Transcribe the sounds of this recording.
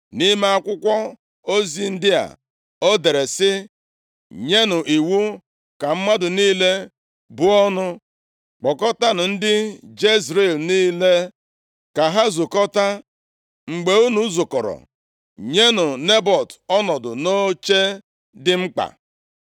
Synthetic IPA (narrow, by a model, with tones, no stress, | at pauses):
ni˦me˦a˦kʷʊ˦kʷɔ˦ | o˦zi˦n̩˦dɪ˦a̰˨ | o˦de˨ɾe˨sɪ˦ | ɲe˦nʊ˨ʔi˨wu˦ | ka˨m̩˦ma˦dʊ˨niː˦le˦ | bʊ˦ɔ˦nʊ˦ | k͡pɔ˨kɔ˦ta˦nʊ˨n̩˦dɪ˦d͡ʒe˦zɾe˨lniː˦le˦ | ka˨ɦa˦zʊ˨kɔ˦ta˦ | ŋ͡m̩˨ɡ͡be˨u˦nu˦zʊ˨kɔ˨ɾɔ̰˨ | ɲe˦nʊ˨ne˦bɔ˨tɔ˦nɔ˨dʊ̰˨no˦t͡ʃe˦ | dɪ˦ŋ͡m̩˦k͡pa̰˨